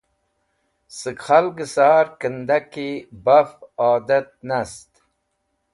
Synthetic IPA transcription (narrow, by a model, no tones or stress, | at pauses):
sɨkχalɡəsaːɾkənd̪akibafaːd̪ɐt̪̚nast̪